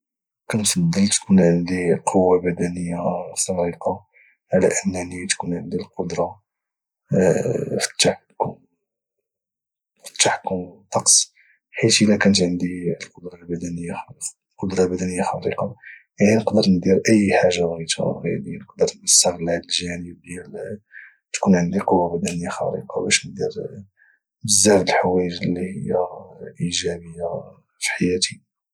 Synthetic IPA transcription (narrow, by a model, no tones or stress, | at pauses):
kænfɑd̪ˤːəlt̪kunʕənd̪iqʰowːabæd̪ænəjːaxɑɾiqɑ | ʕalæ̰ʔənːænit̪kunʕənd̪ilqod̪ɾˤɑ | fə̥t̪ːaħkʊm | fə̥t̪ːaħkʊmt̪ˤːɑqsˤ | ħit̪ʔəlækænət̪ʕənd̪ilqod̪ɾˤɑlbæd̪ænəjːa | lqod̪ɾˤɑbæd̪ænəjːaxɑɾḭqɑjaʕninəqd̪əɾnd̪iɾʔəjːħaʒːabɣit̪a̰ɣḭd̪inəqd̪əɾˤməst̪əɣlaʕəlʒænəb̚d̪jæl | t̪kunʕənd̪iqowːabæd̪ænəjaxɑ̰ɾḭqɑbæʃnd̪iɾ | məzːæfəlħwæjəʒlːihəjːaʔiʒæbəjːa | fi̥ħajæt̪i